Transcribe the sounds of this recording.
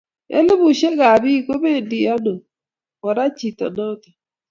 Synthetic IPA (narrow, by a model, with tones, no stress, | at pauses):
ḛ˦le˦βu˨ʃe˦ɣa˨βi˦ko˦βe˦ndi˨a˦no˨ | ɣɔ˨ɾa˦t͡ʃi˨tɔ̰˨nɔ˦ta˨